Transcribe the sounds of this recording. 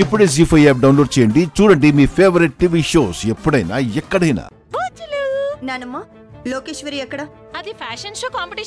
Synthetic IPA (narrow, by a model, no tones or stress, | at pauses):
ɪpɽes̬ifʰɐiɛːp̚ɖaːwnloːɖt͡ʃẽːɳɖit͡ʃuɽəɳɖimifʰeːʋɾɪʈ̚ʈiʋiʃoːsjɐpɽeːna̰ːjɐkːəɽeːna̰ː | ʋot͡ʃlunanɐmːa | loːkeːʃʋəɾijɐkɽa | ɐd̪ifɛːʃənʃoːkaːmpɪʈi